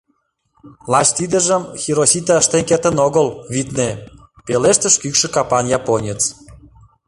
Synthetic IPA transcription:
lɑɕt̪id̪ə̆ʒəmxʲiɾosit̪ɑəʃt̪enket̪ə̆noɣəlβit̪ne | peleʃt̪ə̆ʃkykʃə̆kɑpɑnjɑponʲit͡s

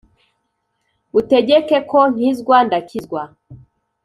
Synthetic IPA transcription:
utɛʄɛkɛkɔŋ̥izɡwandakʰizɡwa

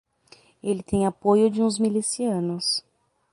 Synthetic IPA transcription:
elɪt̪ẽj̃apojʊd͡ʒɪũzmilisiɐ̃nʊs

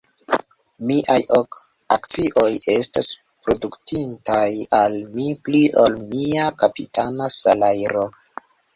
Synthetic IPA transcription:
miʔajo̞k | akt͡siʔo̞je̞stas | pɾo̞duktintajalmipliʔo̞lmiakapitʰanasalajɾo̞

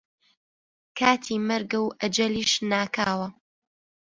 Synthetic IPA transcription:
kʰaːt̪ʰiːmɐɾɡɐwʔɐd͡ʒɐliːʃnaːkaːwɐ

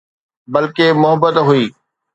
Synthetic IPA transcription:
bɐlkemʊɦəbət̪ɦuiː

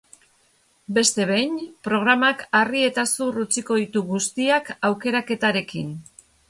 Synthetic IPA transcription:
be̞st̪e̞βejnpɾo̞ɣ̞ɾamakarie̞t̪asurut͡siko̞ðit̪uɣust̪iakawke̞ɾake̞t̪aɾe̞kḭn

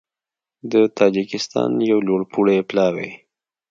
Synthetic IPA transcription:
d̪ət̪ɑd͡ʒɪkɪst̪ɑ̰njawloɽpʰuɽeplɑwḛ

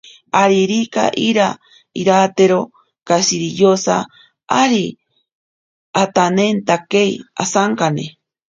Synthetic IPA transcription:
aɾiɾika̰ʔiɾa | iɾat̪eɾo | kasiɾijosa | aɾi | at̪anent̪akeiasaŋkanḛ

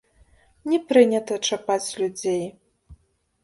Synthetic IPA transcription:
nʲɛpɾɨnʲɐt̪ɐt͡ʂapat͡sʲlʲud͡zʲej

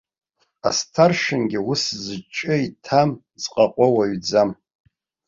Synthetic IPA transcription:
a̰stʰarʃɪnɡʲɪwʊszɨt͡ʃʼɨitʰam | t͡sʼqʼaqʷʼawaɥd͡zam

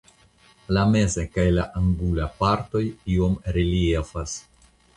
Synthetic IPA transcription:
lame̞ze̞kajlaʔaŋɡulapaɾto̞jio̞mɾiliefas

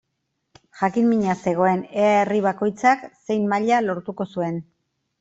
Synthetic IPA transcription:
ʝakinmiɲase̞ɣ̞o̞e̞neaeriβ̞ako̞jt͡sakse̞jmmaʎalo̞ɾt̪uko̞sue̞n

